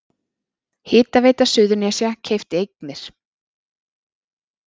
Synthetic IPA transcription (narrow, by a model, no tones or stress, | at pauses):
hɪːt̪aveːjt̪asʏːðʏɾnjɛːsjacʰeːjft̪ejknɪɾ̥